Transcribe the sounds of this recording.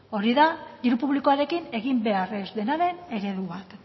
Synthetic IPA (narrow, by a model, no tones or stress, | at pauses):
o̞ɾiðad̪iɾupuβlikoaɾe̞kine̞ɣimbe̞aɾe̞zd̪e̞naɾe̞ne̞ɾe̞ðuβat̪